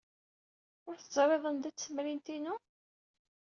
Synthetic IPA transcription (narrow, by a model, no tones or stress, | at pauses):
ʊɾθzˤɾˤeðˤənd̪æt͡sːəmɾint̪inu